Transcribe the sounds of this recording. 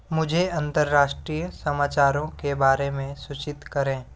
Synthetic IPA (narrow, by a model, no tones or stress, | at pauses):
mʊd͡ʒʱeɐ̃nt̪əɾːaːʃʈɾijəsɐmaːt͡ʃaːɾõkebaːɾemẽsʊt͡ʃɪt̪kɐɾẽː